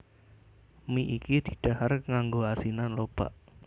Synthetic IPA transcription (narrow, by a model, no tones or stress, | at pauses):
miʔikid̪̥i̥̤ɖ̥a̤harŋaŋɡoasinanlob̥a̰ʔ